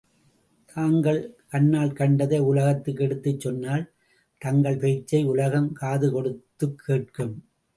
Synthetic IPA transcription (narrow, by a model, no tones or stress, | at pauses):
t̪ʰaːŋɡɐɭkɐɳːaːlkɐɳɖɐðɐːʊlɐɣɐt̪ːɯk̬ːɛɽɯt̪ːɯt͡ʃːɔnːaːl | t̪ɐŋɡɐɭpɛːt͡ʃːɐɪʊlɐɣɐmkaːðɯkɔɽɯt̪ːɯkʰːeːʈ̚kɯm